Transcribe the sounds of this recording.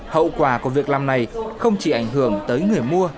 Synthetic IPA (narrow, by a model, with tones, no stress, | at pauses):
hə̰˧˨wkwaː˧˩ku˧˩əvi˨˩ək̚laː˨˩mna˨˩jxə˧wŋ͡mt͡ɕi˧˩ʔa˧˩jŋ̟ɦɨ˧˩əŋt̪əː˨˦jŋɨ˨˩əjmu˧ə